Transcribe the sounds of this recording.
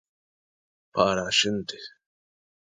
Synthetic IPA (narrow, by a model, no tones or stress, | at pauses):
paːɾaʃɪnt̪ɪ̥